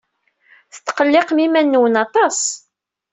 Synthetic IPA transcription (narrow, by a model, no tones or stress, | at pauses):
θə̥t̪ːqəlːɪqmimænːuwənɑt̪ˤɑs